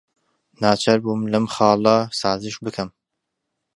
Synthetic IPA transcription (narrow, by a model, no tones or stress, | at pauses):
naːt͡ʃʰɐɾbumlɐmxɑːlˠɑsɑːzɨʃbɨkʰɐm